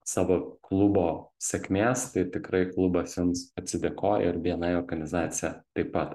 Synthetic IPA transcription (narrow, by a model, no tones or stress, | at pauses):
sɑːʋoːklˠʊboːsʲɛkʲmʲeːst̪ɐɪt̪ʲɪkɾɐɪklˠʊbɐsjʲɪnsɐt̪ʲsʲɪd̪ʲɛkoːʔɪɾʋʲiɛnɐɪoːɾɡɐnʲɪzɑːt̪sʲɪjɛt̪ɐɪpːɐt̪